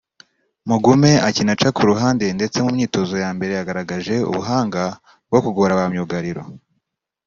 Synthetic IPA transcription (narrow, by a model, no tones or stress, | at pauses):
muɡume̞acinat͡ʃakuɾuɦaːndende̞t͡se̞mumɲiːto̞zo̞jaːmbe̞ɾe̞jaɡaɾaɡaʒe̞ṵβuɦaːŋɡa | b̚ɡo̞kuɡoɾaβamɲuɡaɾiɾo̞̰